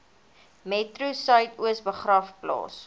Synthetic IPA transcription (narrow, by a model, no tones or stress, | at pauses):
mɛtrusœjtuəsbəχrɐfplɑ̰ːs